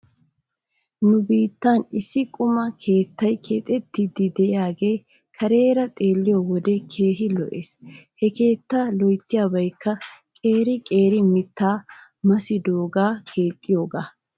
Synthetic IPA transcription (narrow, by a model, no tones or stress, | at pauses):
nʊbiːt̪ːɐnɪsːɪkʼʊmɐkʰe̞ːt̪ːɐjkʰe̞ːt̪ʼɛt̪ːɪd̪ɪd̪ɛʔɪjaːɡe̞j | kʰɐɾe̞ːɾɐt̪ʼe̞ːlːɪjowɔd̪ɛkʰe̞ːɦɪlɔʔeːshɛke̞ːt̪ːaːlɔjt̪ːɪjaːbɐjkːɐkʼe̞ːɾɪkʼe̞ːɾɪmɪt̪ːaː | mɐsɪd̪o̞ːɡaːkʰe̞ːt̪ʼːɪjo̞ːɡaː